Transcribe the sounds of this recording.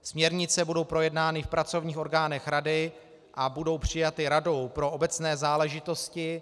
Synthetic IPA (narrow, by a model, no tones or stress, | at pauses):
smɲɛɾɲɪt͡sɛbudo̞wpɾo̞jɛdnaːnɪfpɾat͡so̞vɲiːxo̞ɾɡaːnɛxɾadɪ | ʔabudo̞wpr̝̥ɪjat̪ɪɾado̞wpɾo̞ʔobɛt͡snɛːzaːlɛʒɪt̪o̞scɪ